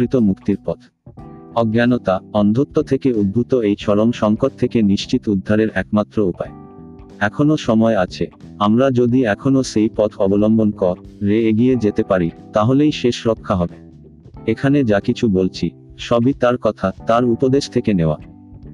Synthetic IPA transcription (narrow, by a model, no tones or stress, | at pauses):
ɾit̪omukt̪iɾpɔt̪ʰ | ɔɡjanot̪aɔnd̪ʱot̪ːot̪ʰekeud̪̚bʱut̪oejʃʰɔɾoŋʃɔŋkoʈ̚t̪ʰekeniʃt͡ɕit̪ud̪ʱːaɾeɾɛkmat̪ːɾoupae | ɛkʰonoʃɔmɔeat͡ɕʰeamɾad͡ʑod̪iɛkʰonoʃejpɔt̪ʰɔbolɔmbonkɔɾɾeeɡijed͡ʑet̪epaɾit̪aɦolejʃeʃɾokʰːaɦɔbe | ekʰaned͡ʑakit͡ɕʰubolt͡ɕʰi | ʃɔbit̪aɾkɔt̪ʰat̪aɾupod̪eʃt̪ʰekeneoa̰